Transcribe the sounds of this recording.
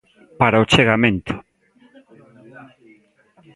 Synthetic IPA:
paɾaot͡ʃeɣamẽnt̪ʊ̥

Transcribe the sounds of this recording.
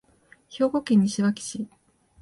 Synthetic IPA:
ço̞ːɡo̞kẽɲ̟ːiɕiβakʲi̥ɕi

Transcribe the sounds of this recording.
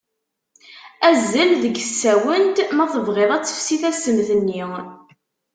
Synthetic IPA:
æzːælðəɡəsːæwənt̪mæθəvʁeðˤæt͡sːə̥fsiθæsəmθənːi

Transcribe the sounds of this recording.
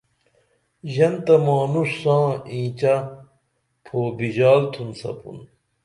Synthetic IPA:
ʑɐnt̪ɐmaːnuʂːãːĩːt͡ɕɐ | pʰoːbiʑaːlt̪ʰunsɐ̰pṵn

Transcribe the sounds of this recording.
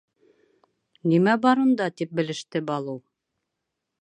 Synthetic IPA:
nimæbɑɾund̪ɑt̪ip̚bɘ̆lɘ̆ʃt̪ɘbɑlˠɤw

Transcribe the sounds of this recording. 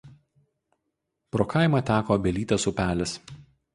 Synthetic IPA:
pɾoːkɑˑɪmɐt̪ʲæːkoːbʲɛlʲiːt̪ʲesʊpʲæːlʲɪs

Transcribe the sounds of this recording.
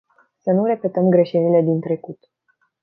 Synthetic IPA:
sənuɾe̞pe̞t̪əmɡɾe̞ʃenile̞d̪int̪ɾe̞kut̪

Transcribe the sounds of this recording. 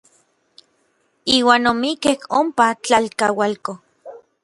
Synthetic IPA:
iːwaːnomikehompat͡ɬalkawalko

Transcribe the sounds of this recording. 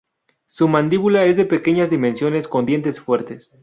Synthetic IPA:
sumãnd̪iβulae̞zðe̞pe̞ke̞ɲazðimensjo̞ne̞sko̞nd̪je̞nt̪e̞sfwe̞ɾt̪e̞s

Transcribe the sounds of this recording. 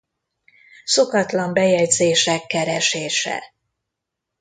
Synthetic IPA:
so̞kɒt̪lɒmbɛjɛɟzeːʃɛkːɛɾɛʃeːʃɛ̰

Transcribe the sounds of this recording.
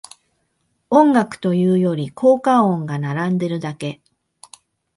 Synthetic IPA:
õ̞ŋɡakɯ̟̥t̪o̞jɯ̟ːjo̞ɾʲikʰo̞ːkaõŋɡanaɾãnd̪e̞ɾɯ̟d̪ake̞

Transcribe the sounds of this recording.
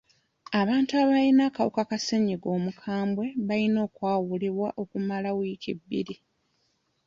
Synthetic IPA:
aβaːntuaβalinaːkawṵkakaseɲiɡo̞ːmukʰaːmbwe̞βalino̞ːkwaːwuliβwaʔo̞kumalawikḭbːḭɾi

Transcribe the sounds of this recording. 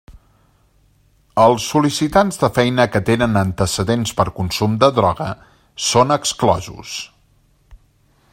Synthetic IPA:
əlˠsːulisit̪anzðəfɛjnəkət̪enənənt̪əsəðenspəɾkunsumd̪əðɾɔɣə | sonəksklɔ̰zṵs

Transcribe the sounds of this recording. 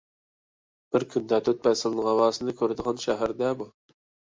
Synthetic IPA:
b̥ɪɾkʲʰynd̪ɛt̪ʰøt̪̚bɛsɪlˠnəʁɑwɑːsɨnd̪ɨkʲʰøɾd̪əʁɑnʃɛɦæɾd̪ɛbu

